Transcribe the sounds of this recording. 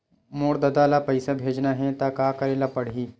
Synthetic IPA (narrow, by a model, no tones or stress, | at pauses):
moːɽd̪ɐd̪alapɐɪsabʱeːd͡ʒnaɦɛt̪akaːkɐɾeːlapɐɽiː